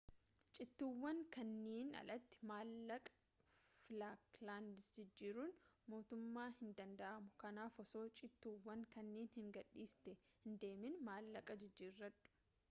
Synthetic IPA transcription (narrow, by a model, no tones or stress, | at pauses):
t͡ʃʼɪt̪ːuːwːɐŋkɐnːeːnɐ̰lɐt̪ːɪ̥maːlːɐkʼ | flaːklaːnd̪ɪsd͡ʒɪd͡ʒːiːɾuːnmo̞ːt̪ʊmːaːhɪnd̪ɐnd̪ɐʔɐmʊkɐnaːfɔso̞ːt͡ʃʼɪt̪ːuːwːɐŋkɐnːeːnhɪŋɡɐɗːiːst̪ɛhɪnd̪e̞ːmɪnmaːlːɐkʼɐd͡ʒɪd͡ʒːiːrːɐt̪ːʊ̥